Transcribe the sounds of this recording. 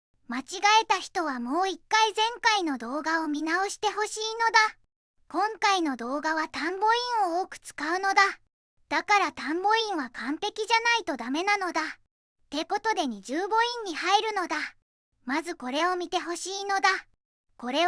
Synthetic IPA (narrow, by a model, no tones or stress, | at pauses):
mat͡ɕiɡae̞t̪açi̥t̪o̞β̞amo̞ːikːaizẽ̞ŋkaino̞d̪o̞ːɡao̞mʲinao̞ɕi̥t̪e̞ɦo̞ɕiːno̞d̪a | kõ̞ŋkaino̞d̪o̞ːɡaβ̞at̪ãmbo̞ĩɰ̃o̞oːkɯ̟̥t͡sɨ̥kaɯ̟no̞d̪a | d̪̥akaɾat̪ãmbo̞ĩɰ̃βakãmpe̞kʲiʑanait̪o̞d̪ame̞nano̞d̪a | t̪e̞ko̞t̪o̞d̪e̞ɲ̟id͡ʑɨːbo̞ĩɲ̟ːihaiɾɯ̟no̞d̪a | mazɨko̞ɾe̞o̞mʲit̪e̞ɦo̞ɕiːno̞d̪a | ko̞ɾe̞